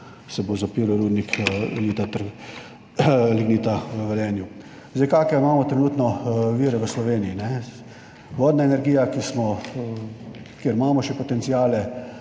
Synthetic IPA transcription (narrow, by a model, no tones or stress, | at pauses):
sɛbozapiːɾoɾuːd̪nikliːt̪at̪əɾɡ | liɡniːt̪aʋəʋɛlɛːnju | zd̪ejkakɛmaːmɔt̪ɾɛnuːt̪nɔʋiːɾɛʋəslɔʋeːniinɛ | ʋɔːd̪naenɛɾɡiːjakismɔ | keɾmaːmɔʃɛpɔt̪ɛnt̪siaːlɛ